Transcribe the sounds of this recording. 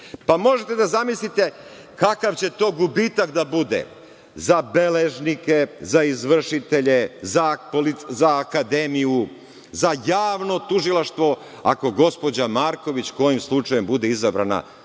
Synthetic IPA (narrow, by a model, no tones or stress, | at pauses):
pamo̞ʒet̪e̞d̪azamislit̪e̞ | kakaʋt͡ɕe̞t̪o̞ːɡubit̪akd̪abud̪ḛ | zabe̞leʒnike̞zaizʋr̩ʃit̪e̞ʎezapolizaːkad̪emiju | zajaːʋno̞t̪uʒilˠaʃt̪ʋo̞ | a̰ko̞ɡo̞spo̞d͡ʑamaːɾko̞ʋit͡ɕko̞jimslˠut͡ʂajembud̪e̞izabɾa̰na̰